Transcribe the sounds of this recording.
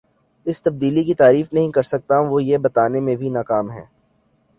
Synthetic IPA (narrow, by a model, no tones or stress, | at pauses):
ɪst̪ɐb̚d̪iːlikit̪aːɾiːfnɐɦĩkɐɾsɐk̚t̪aʋojebɐt̪aːnemẽbʱinaːkaːmɦɛ̰ː